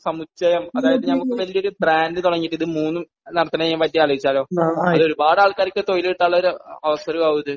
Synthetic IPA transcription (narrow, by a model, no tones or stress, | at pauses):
sɐmut͡ɕːɐjɐmɐðaːjɐðɨɲaːnukːeʋɐlijo̞ɾubraːndɨt̪uɽɐŋːiʈːiðɨmuːnːum | nɐɽɐt̪ːɐnɐɐmʋɐlːijaːloʋit͡ɕːaːlo̞ːɐðɨo̞ɾubaːɽaːɭkaːɾikʲːɨt̪o̞jiliʈːaːɭːɐoɾuɐʋɐsɐɾuɡɐwðɨ